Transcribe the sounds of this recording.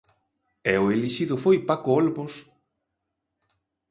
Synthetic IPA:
ɛʊeliʃiðʊfojpakoɔlβos

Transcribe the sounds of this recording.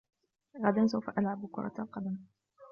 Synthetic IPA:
ɣad̪ans̬awfaʔalʕabkʊɾˤɑ̰t̪alqɑd̪am

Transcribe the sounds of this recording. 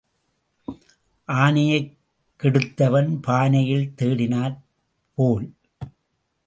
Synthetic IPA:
ʔaːnɪjɐɪ | kːɪɽɯt̪ːɐʋɐnpaːnɐjɪɭt̪eːɽɪnaːɾ | poːl

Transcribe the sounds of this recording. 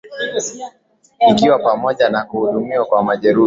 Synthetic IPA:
ikiwapamɔʄanakuhuɗumiwakwamaʄɛɾu

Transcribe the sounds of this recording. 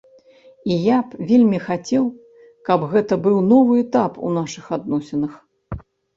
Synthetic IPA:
ijapvʲelʲmʲixat͡sʲɛw | kɐbɣɛt̪ɐbɨwn̪ɔvɨɛt̪apṵn̪aʂɨxad̪nɔsʲɛnɨx

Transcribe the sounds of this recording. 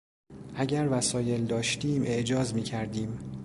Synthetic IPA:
ʔæɟæɾvæsɒːje̞ld̪ɒːʃt̪iːmʔe̞ʔd͡ʒɒːzmiːcʰæɾd̪iːm

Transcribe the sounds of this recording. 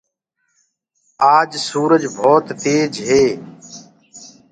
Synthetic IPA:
aːd͡ʒsuːɾəd͡ʒbʱoːt̪ːeːd͡ʒɦeː

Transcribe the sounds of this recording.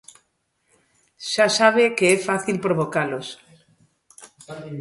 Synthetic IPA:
ʃasaβ̞ekeɛfaθilpɾoβokalos

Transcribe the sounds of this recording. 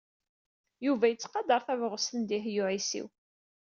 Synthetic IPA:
juvæjət͡sːqɑd̪ɑɾˤθævʁəst̪ənd̪iɦjʊʕisḭw

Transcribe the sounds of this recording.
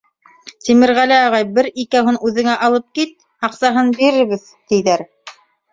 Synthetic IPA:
t̪imɘ̆ɾʁælɘɑʁɑjbɘɾikæɦɤnʉðɘ̆ŋæʔɑlˠɤp̚kit̪̚ | ɑqsɑɦɤnbiɾɘɾβɘð | t̪ijðæɾ

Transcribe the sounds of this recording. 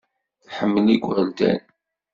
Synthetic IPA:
ħəmːəliɡʷɾəld̪æ̰n

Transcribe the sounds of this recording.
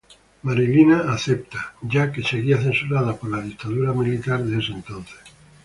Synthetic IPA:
maɾilinaːθe̞p̚t̪aɟ͡ʝake̞se̞ɣiaθe̞nsuɾaðapo̞ɾlaðikt̪aðuɾamilit̪aɾðeesent̪o̞nθe̥s

